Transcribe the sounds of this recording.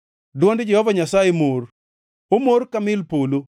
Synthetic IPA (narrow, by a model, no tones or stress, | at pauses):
dwɔndd͡ʒɛhɔvaɲasajemor | omoɾkamɪlpolo